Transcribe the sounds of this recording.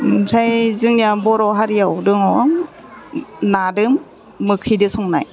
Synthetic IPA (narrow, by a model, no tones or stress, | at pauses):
sʰajzɯŋjabɔɾɔɦaɾijawdɯŋawa | nadɯmː | ɯkʰidɯsɔŋna̰j